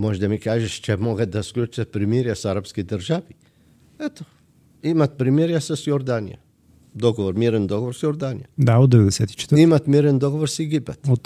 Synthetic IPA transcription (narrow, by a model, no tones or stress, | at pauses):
moʒd̪amikaːʒeʃt͡ʃemoɡat̪̚d̪asklʲut͡ʃat̪̚pɾimiɾjasaɾapskid̪əɾʒaʋi | ɛt̪o̥ | imat̪̚pɾimiɾjasasjoɾd̪anija̰ | d̪oɡoʋoɾmiːɾand̪oɡoʋoɾsjoɾd̪anijad̪aud̪ɛʋɛd̪esɛt̪i̥t͡ʃɛ̥t̪ɾimat̪miːɾand̪oɡoʋoɾsiɡibat̪u